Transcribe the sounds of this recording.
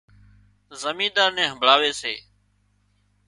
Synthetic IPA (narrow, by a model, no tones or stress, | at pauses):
zəmĩːd̪aːɾnɛ̃ːɦə̃mbʱɭaːʋeːsḛː